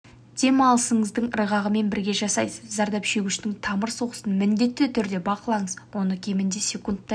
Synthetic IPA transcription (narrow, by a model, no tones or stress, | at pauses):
d̪̥e̞mɑlˠəsəɴəzd̪əɴɾəʁɑʁəme̞nbɪɾɡʲe̞ʒɑsɑjsəzzɑɾd̪ɑpʃe̞ɡʲɪʃt̪ɪŋt̪ʰɑməɾso̞ʁəsənmɪnd̪e̞t̪ːɪt̪ʰʏɾd̪e̞bɑqəlˠɑɴəzwo̞nəkʲʰe̞mɪnd̪esʲe̞kunt̪ːɑ